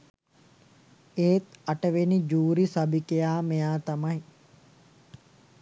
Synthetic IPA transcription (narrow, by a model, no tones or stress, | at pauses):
eːt̪ɐʈəʋenid͡ʒuːɾisɐbikejaːmejaːt̪ɐmaj